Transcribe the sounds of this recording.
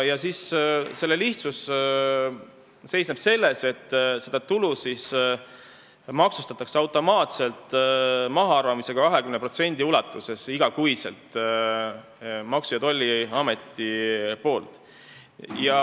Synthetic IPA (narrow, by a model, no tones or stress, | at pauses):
jɑsisse̞lːe̞liht̪sus | se̞jsneb̥se̞lːe̞se̞t̪ːˑse̞d̪̥ɑt̪ulusis | mɑksust̪ɑt̪ːˑɑkseɑwt̪ːˑo̞mɑːt̪se̞lt̪ˑmɑɦɑɑrvɑmise̞ɡ̥ɑkɑɦe̞kymnepro̞t̪se̞nʲd̪̥iulɑt̪ːˑuse̞siɡ̥ɑkujse̞̰lt̪ˑ | mɑksujɑt̪o̞lʲːiɑme̞t̪ːˑipo̞ːlt̪ˑ | jɑ